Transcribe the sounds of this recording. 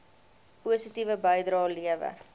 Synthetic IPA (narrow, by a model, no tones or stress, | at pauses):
puəsitivəbəjdrɑːliəvə̰r